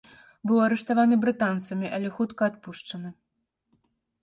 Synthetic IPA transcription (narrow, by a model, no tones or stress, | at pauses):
bɨwɐɾɛʂt̪avanɨbɾɨt̪ant̪sɐmʲiʔalʲɛxut̪kɐːt̪puʂt͡ʂɐnɨ